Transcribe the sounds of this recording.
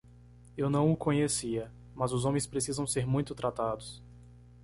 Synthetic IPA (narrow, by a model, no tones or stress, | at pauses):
ewnɐ̃w̃ʊkõɲesiɐ | mɐzʊzõmẽj̃spɾesizɐ̃w̃seɾmũj̃t̪ʊt̪ɾʔat̪ad̪ʊs